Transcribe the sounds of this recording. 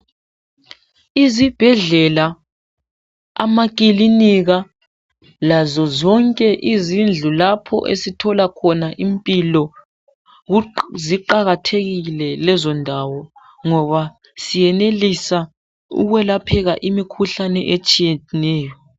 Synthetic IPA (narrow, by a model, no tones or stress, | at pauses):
izib̥ʱɛɮɛla | a̰makʼiliniɣa | lazɔzɔŋkʼɛʔizind͡ɮʱulapʰɔ̰ʔḛsitʰɔlakʰɔnaʔimpʼilɔ | ziǃaɣatʰeɣilɛlɛzɔndʱawɔ | ŋɔβa | sijɛnelisa | ṵɣwɛlapʰɛɣaʔimikʰuɬanɛ̰ʔet͡ʃʼijɛnɛːjɔ